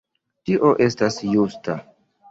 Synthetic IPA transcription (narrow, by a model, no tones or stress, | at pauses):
tiʔo̞ʔe̞stasjusta